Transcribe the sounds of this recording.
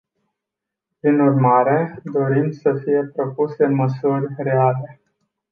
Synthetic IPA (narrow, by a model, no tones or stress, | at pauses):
pɾinurmaɾe̞d̪o̞ɾimsəfije̞pɾo̞puseɨnməsurʲre̞ale̞